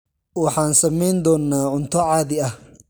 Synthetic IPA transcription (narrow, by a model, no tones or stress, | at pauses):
wɑħɑːnsɐmɛjnd̪ɔːnːaːʕʊnt̪ʰɔʕɑːðɪɐh